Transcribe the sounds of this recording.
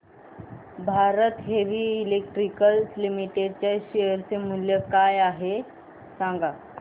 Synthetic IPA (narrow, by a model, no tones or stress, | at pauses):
bʱaɾət̪ɦeʋiːlek̚ʈɾikəlslimiʈeɖ̚t͡ɕjaɕejəɾt͡semuljəkajaɦe | sãŋɡa